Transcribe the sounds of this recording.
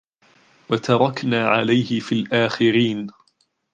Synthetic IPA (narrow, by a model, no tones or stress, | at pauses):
wat̪ɑɾˤɑknaːʕalajhɪfiːlʔaːxɪɾiːn